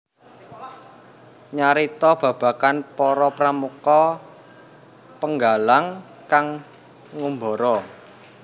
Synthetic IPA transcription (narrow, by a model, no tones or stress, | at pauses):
ɲaɾit̪ɔb̥ä̤b̥a̤kanpɔɾɔpɾamukɔ | pəŋɡalaŋ | kaŋː | umbɔɾɔ